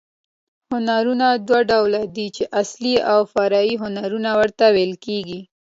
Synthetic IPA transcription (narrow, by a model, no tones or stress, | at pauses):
hʊnaɾunad̪waɖawlad̪it͡ʃeʔasliawfaɾɑiɦʊnaɾunawəɾt̪awelkeɡi